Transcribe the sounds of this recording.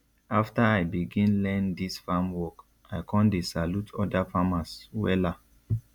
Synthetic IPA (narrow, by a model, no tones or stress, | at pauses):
aftaajbiɡĩnlɛ̃ndisfamwɔk | aɪkʰɔ̃ndesalutʰɔdafamaswɛ̰la